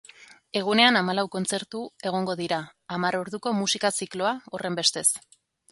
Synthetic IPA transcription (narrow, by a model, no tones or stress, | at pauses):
e̞ɣ̞une̞anamalawko̞nt͡se̞ɾt̪ue̞ɣ̞o̞ŋɡo̞ð̞iɾaːmaɾo̞ɾðuko̞musikasiklo̞ao̞re̞mbe̞st̪e̞s